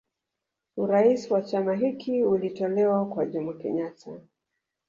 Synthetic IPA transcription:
uɾaisiwat͡ʃamaɦikʰiulitɔlɛwakwaʄumakɛ̰ɲatʰa

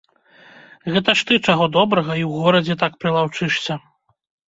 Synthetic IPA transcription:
ɣɛt̪ɐʂt̪ɨt͡ʂaɣɔd̪ɔbɾɐɣɐiwɣɔɾɐd͡zʲɛt̪akpɾɨlˠawt͡ʂɨʂsʲɐ

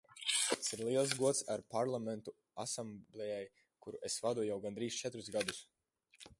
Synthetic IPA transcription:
siɾlˠiɛlˠs̬ɡuɔt̪saɾpaɾlˠamɛnt̪u | a̰samblˠɛjaj | kuɾuʔesvad̪uɔjawɡand̪ɾiːst͡ʃɛt̪ɾuzɡad̪us

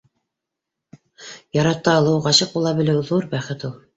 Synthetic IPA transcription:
jɑɾɑt̪ːɑːlˠɤwʁɑɕɤq̚ulˠɑbɘ̆lɘwðuɾbæχɘ̆t̪ulˠ

